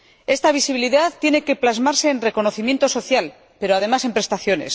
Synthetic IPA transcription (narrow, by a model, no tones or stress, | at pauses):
e̞st̪aβ̞isiβiliðaθt̪ːje̞ne̞ke̞plazmaɾse̞ːnre̞ko̞no̞θimje̞nt̪o̞so̞θjal | pe̞ɾoaðe̞mase̞mpɾe̞st̪aθjo̞ne̞̰s